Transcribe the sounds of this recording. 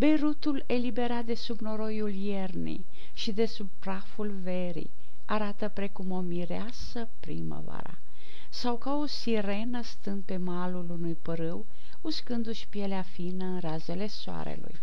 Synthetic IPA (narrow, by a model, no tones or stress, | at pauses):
be̞ɾut̪ule̞libe̞ɾat̪̚d̪e̞subno̞ɾo̞julje̞rnḭ | ʃid̪e̞sub̚pɾafulve̞ɾḭ | aɾat̪əpɾe̞kumo̞miɾeasəpɾḭmə̰va̰ɾa̰ | sawkao̞siɾe̞nəst̪ɨnd̪̚pe̞malulunujpəɾɨw | uskɨnd̪uʃpieleafinəɨnraze̞le̞soa̰ɾḛlṵj